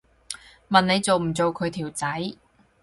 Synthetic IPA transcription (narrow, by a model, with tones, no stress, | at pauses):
mɐ˨ne˨˧jt͡so˨wm̩˨˩t͡so˨wkʰɵ˨˧ɥt̪ʰiː˨˩wt͡sɐ˨˥j